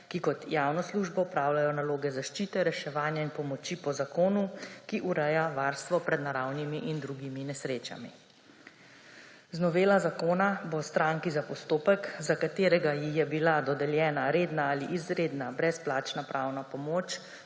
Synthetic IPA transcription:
kikɔt̪jaːwnɔsluːʒbɔɔpɾaːwlajɔnaloːɡɛzaʃt͡ʃiːt̪ɛɾɛʃɛʋaːnjainpɔmɔt͡ʃipɔzakoːnukiʔuɾɛjaʋaːɾst̪ʋɔpɾɛd̪naɾawnimiʔind̪ɾuɡiminɛsɾeːt͡ʃa̰mḭ | znɔʋeːlazakoːnabost̪ɾaŋkizapɔst̪oːpɛkzakat̪eːɾɛɡajixjɛbilad̪ɔd̪ɛljɛːnaɾeːd̪naaliʔizɾeːd̪nabɾɛsplaːt͡ʃnapɾʔawnapɔmoːt͡ʃ

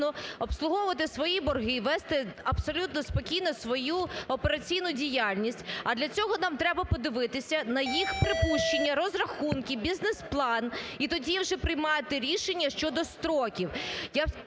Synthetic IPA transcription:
nɔɔpslˠʊɦɔʊʋɐt̪ɪsʋɔjibɔrɦɪʋɛst̪ɪɐpsɔlʲut̪nɔspɔkʲijnɔsʋɔjuɔpeɾɐt͡sʲijnʊdʲijalʲnʲisʲtʲɐd̪lʲɐt͡sʲɔɦɔnɑmt̪ɾɛbɐpɔd̪ɪʋɪt̪ɪsʲɐnɐjixpɾɪpuʃt͡ʃe̞nʲːɐɾɔzrɐxunkʲɪbʲiznesplˠɑnit̪ɔdʲiwʒɛpɾɪjmɑjet̪ɪɾʲiʃenʲːɐʃt͡ʃɔd̪ɔst̪ɾɔkʲiwja

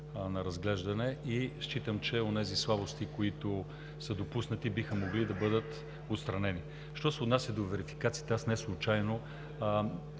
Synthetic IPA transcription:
nɐɾɐzɡlɛʒd̪ɐnɛiʃt͡ʃit̪əmt͡ʃɛonɛzislˠabost̪ikoit̪o | səd̪opusnɐt̪ibixəmoɡlid̪ɐbɤd̪ət̪ | ot̪st̪ɾɐnɛni | ʃt̪ɔsɛod̪nasʲjəd̪ovɛɾifi̥kat̪sit̪ɛasnɛslˠʊt͡ʃajno

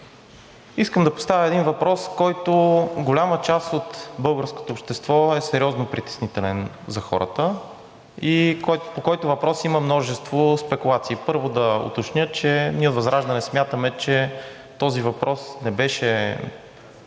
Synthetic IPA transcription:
iskəmd̪ɐpo̥st̪avjəɛd̪invɐpɾɔskɔjt̪oɡolʲamət͡ʃast̪ot̪bɤlˠɡəɾsko̥t̪oːpʃt̪ɛst̪vɔɛsɛɾiɔznopɾit̪ɛ̥snit̪ɛlɛn | zɐxɔ̰ɾə̰t̪ə | ikɔpokɔjt̪ʊvɐpɾɔsiməmnɔʒɛst̪vospɛkulˠat̪siːpɤɾvʊd̪ɐo̰t̪ot͡ʃnʲjɤt͡ʃɛniəot̪vɐzɾaʒd̪ɐnɛsmʲjat̪əmɛt͡ʃɛ | t̪ɔzivɐpɾɔsnɛbɛʃɛ

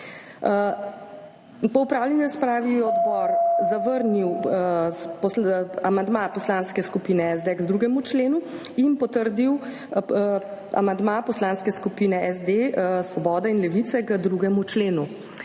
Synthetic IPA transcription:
pɔupɾaːwlʲjɛniɾaspɾaːʋijɛɔd̪bɔɾzaʋəɾniw | pɔsamand̪mapɔslanskɛskupiːnɛɛzd̪ɛɡzd̪ɾuɡɛmut͡ʃleːnuinpɔt̪əɾd̪iw | a̰mand̪mapɔslanskɛskupinɛʔɛzd̪esʋɔbɔːd̪ainlɛʋit̪ɛkəd̪ɾuɡɛmut͡ʃleːnu

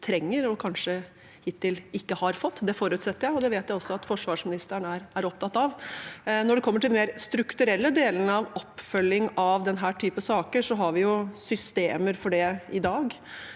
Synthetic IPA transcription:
t̪ʰɾɛŋːəɾɔkʰɑnʂə | hɪt̪ʰːɪlɪkːəhɑɾfɔt̪ːd̪ɛfoːɾʉːt̪sɛt̪ːəɾjæɪɔd̪ɛʋeːt̪jæɪɔsːɔɑt̪fɔʂʋɑːʂmɪnɪst̪əɳæɾæɾɔpt̪ɑt̪ːɑʋnɔɖɛkʰɔmːəʈʰɪlmeːɾst̪ɾʉkt̪ʉɾɛlːəd̪eːlənəɑʋɔpːfœlːɪŋɑʋd̪ɛnɦæːʈʰyːpəsɑːkəʂɔɦɑɾʋɪjʊsʏst̪eːməɾfɔɖɛɪd̪ɑːɡ

